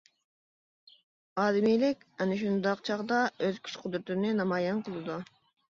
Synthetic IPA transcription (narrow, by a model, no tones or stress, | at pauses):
ɑːd̪ɪmijlɪkʲɛnɪʃ̬und̪ɑqt͡ʃʰɑʁd̪ɑøzkʲʰy̥t͡ʃqʰʊd̪ɾɨt̪nɪnɑmɑːjɑnqʰəlˠɨd̪u